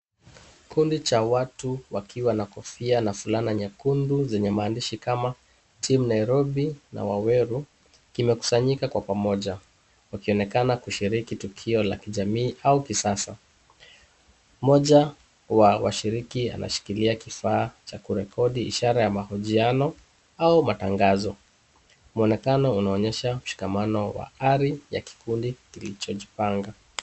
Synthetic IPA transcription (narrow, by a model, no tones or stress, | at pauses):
kʰundit͡ʃawatuwakʰiwanakɔfianafulanaɲakunduzɛɲɛmaːndiʃikama | tʰimunaiɾɔɓina̰wawɛɾu | kimɛku̥saɲikakwapamɔʄa | wakiɔnɛkanakuʃiɾikitukʰiɔla̰kiʄamiːʔaukisasa | mɔʄa | wawaʃiɾikia̰na̰ʃi̥kiliakifaːt͡ʃakuɾɛkʰɔɗiḭʃaɾajamahuʄianɔ | aumataŋɡazɔ | muɔnɛkanɔunaɔɲɛʃam̩ʃi̥kamanɔwa̰aɾija̰ki̥kundikilit͡ʃɔʄipaŋɡa